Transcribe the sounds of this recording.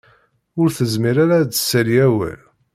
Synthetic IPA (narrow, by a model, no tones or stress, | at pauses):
ʊɾθəzmiɾaɾad̪ə̥sːæljæwæ̰l